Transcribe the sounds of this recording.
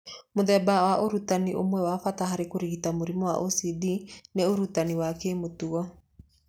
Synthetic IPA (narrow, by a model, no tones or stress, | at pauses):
moðɛbawaʔoɾutaniʔomwɛwafataɦaɾekoɾiɣitamoɾimɔwa̰ʔosidineoɾutaniwakemotuɔ